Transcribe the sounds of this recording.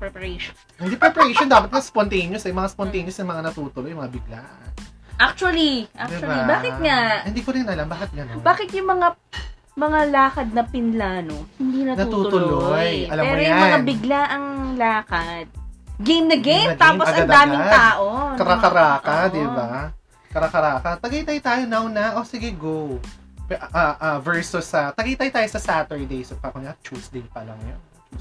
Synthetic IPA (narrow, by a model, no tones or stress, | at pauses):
pɹɛpɐɾɹeʃon | hɪnd̪ipɾɛpɾejʃond̪aːpɐt̪̚mɐŋaspont̪ejnjosɐjʊmɐŋaspont̪ejnjosnɐŋmɐŋanɐt̪uːt̪ʊlojʊmɐŋabɪɡla̰ | ʔak̚t͡ʃuɐliʔakd̪ɪbaibaːkɪt̪̚ŋahɪnd̪iːkoɾɪnʔɐlambaːkɪt̪̚ɡɐnobaːkɪt̪jʊŋmɐŋa | mɐŋalaːkɐd̪̚nɐpɪnlaːnohɪnd̪inɐtnɐuːt̪ʊlojɐlɐpmɛːɾojʊŋmɐŋabɪɡlaʔɐŋlaːkɐd̪̚ɡejmnɐɡejmɐɡt̪aːposɐʔɐɐd̪d̪aːmɪd̪aːʔokɐɾakɐɾaːkɐd̪ɪba | kɐɾɐkɐɾaːkɐt̪ɐɡɐjt̪aːjt̪aːjonawnɐʔosɪɡɛɡow | pʔaʔavɛɹsusɐt̪ɐɡɐjt̪aːjt̪aːjosɐsat̪ɛɹd̪ejsɐkɐkonat͡ʃuːsd̪ɪŋpɐlɐŋɐjon | u